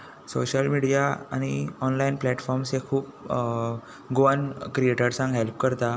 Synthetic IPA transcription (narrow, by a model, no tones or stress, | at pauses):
so̰ɕəlmiɽijaa̰ñiɔnlainplɛʈfɔɾmsekʰuːp̚ | ɡoənkɾieʈəɾsãŋɡɦelp̚kəɾt̪a